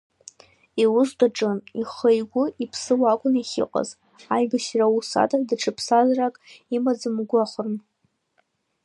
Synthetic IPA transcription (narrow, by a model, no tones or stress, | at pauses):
iwʊzdaʈ͡ʂʼɨniχəjɡʷʊipʰsɨwakʷʼʊniχʲɪ̰qʼa̰z | ajbaʃrausa̰tʼadɨʈ͡ʂʰɨpʰsazrakʼimad͡zɨmɡʷaχʷʊrn